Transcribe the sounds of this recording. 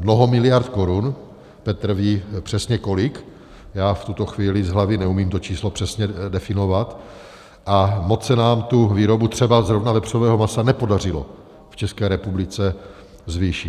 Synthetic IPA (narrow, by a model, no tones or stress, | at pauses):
mno̞ɦo̞mɪlɪjaɾt̪ko̞ɾun | pɛt̪r̩viːpr̥ɛsɲɛko̞lɪk | jaːft̪ut̪o̞xviːlɪzɦlavɪnɛumiːmt̪o̞t͡ʃiːslopr̥ɛsɲɛdɛfɪno̞vat̪ | ʔamo̞t͡ssɛnaːmt̪uviːɾo̞but̪r̥ɛbazɾovnavɛpr̥ovɛːɦomasanɛpo̞dar̝ɪlo̞̰ | ft͡ʃɛskɛːɾɛpublɪt͡sɛ | zvɪʃɪt̪